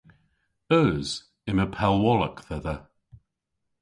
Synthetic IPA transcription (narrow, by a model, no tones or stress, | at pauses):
əz̥ | ɪməpʰɛlˠwɔləkθɛðə